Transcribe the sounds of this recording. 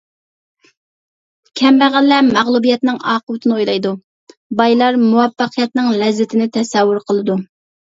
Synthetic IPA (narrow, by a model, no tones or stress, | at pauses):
kʲʰɛmbæʁælːɛmæʁlˠubijɛt̪nɪŋɑːqʊwɨt̪ʰɪnɨojlˠɑjd̪u | bɑjlˠɑɾmuwɛfːɑqʰijɛt̪̚nɪŋlɛzːɪt̪ʰɪnɪt̪ʰɛsɛwːʊɾqʰəlˠɨd̪u